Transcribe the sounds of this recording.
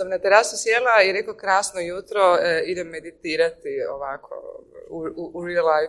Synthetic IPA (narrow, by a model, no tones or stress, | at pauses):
samnat̪eɾasisjelˠaiɾe̞kokɾaːsnojut̪ɾoid̪emːe̞d̪it̪iːɾat̪io̰ʋaːkʰo̰uuuɾilaj